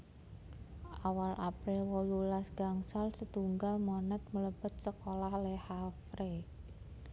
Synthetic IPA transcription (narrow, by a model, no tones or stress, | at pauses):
ʔawalʔapɾɪlwɔlulasɡ̥aŋsalsət̪uŋɡalmonɛt̪̚mələb̥ə̤t̪̚səkolahlɛhafɾe